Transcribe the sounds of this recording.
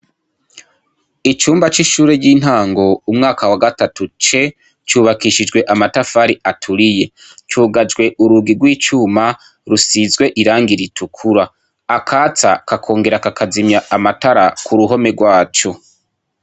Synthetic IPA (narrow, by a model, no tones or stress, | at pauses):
it͡ʃuːmbat͡ʃiʃuːɾeɟiːn̥aːŋɡo̞umŋaːkawaɡatatut͡ʃe̞ | t͡ʃuːβakiʃid͡ʒɡwe̞ʔamatafaːɾiʔatʰuɾije̞ | t͡ʃuːɡad͡ʒɡwe̞ʔuɾuɡiɡwiːt͡ʃuːma | ɾusizɡwe̞ʔiɾaːŋɡiɾitʰukʰuɾaː | kʰaːt͡sakakʰo̞ːŋɡe̞ɾakakʰazimjaʔamataɾakʰuɾuɦo̞me̞ɡwaːt͡ʃo̞